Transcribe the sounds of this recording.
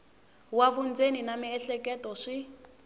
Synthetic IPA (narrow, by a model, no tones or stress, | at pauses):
waβund͡zeninamiɛɬɛkɛtɔʂi